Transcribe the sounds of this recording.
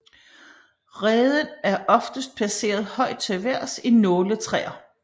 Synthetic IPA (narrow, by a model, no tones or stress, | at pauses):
ʁɛːðˠənæɐʔɒ̽fd̥əsd̥̚pʰæse̝̰ːɐð̞ˠhɒ̽ɪ̰d̥̚t͡sʰe̝ʋæɐ̰sinɔːlət͡sʰʁɛ̰ːɐ